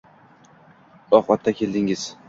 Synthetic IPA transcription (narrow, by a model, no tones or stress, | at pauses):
ɒχlat̪ʰːakʲʰe̞ld̪ɪŋɪz̥